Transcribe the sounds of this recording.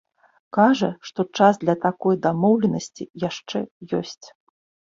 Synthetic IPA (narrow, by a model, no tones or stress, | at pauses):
kaʐɐʂt̪ɔt͡ʂazd̪lʲɐt̪akɔjd̪amɔwlʲɛnɐsʲt͡sʲijaʂt͡ʂɛjɔsʲt͡sʲ